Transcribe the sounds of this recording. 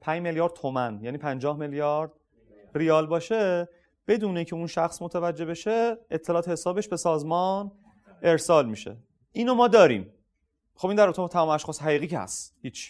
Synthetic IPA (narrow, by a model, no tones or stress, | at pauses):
pʰæɲd͡ʒme̞ljɒːɾd̪̚t̪ʰomænjæniːpʰænd͡ʒɒːhme̞ljɒːɾd̪̚ | riɒːlbɒːʃe | b̥e̞d̪uːneicʰe̞unʃæxsmot̪ʰævæd͡ʒːe̞be̞ʃeet̪ʰːe̞lɒːt̪ʰehesɒːbe̞ʃbe̞sɒːzmɒːn | e̞ɾsɒːlmiːʃḛ | ʔiːnomɒːd̪ɒːɾḭːm | xobind̪æɾot̪ʰmt̪ʰæmɒːmæʃχɒːsɦæɣiːɣiːcʰeæ̰st̪hiːt͡ʃʰ